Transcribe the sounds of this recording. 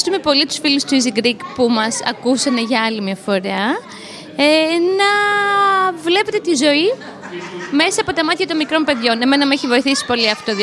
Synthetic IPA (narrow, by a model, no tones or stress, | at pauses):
st̪ume̞po̞lit̪u̥sfilust̪uiziɡɾikpumɐsɐ̰kusɐneʝɐɐlimjɐfo̞ɾeɐ | enɐ | vle̞pe̞t̪e̞t̪izo̞i | me̞sɐɐːpo̞t̪ɐmɐt̪çɐt̪o̞nmikɾo̞mpe̞ðʝo̞ne̞me̞nɐmeçivo̞iθisi̥po̞liɐft̪oð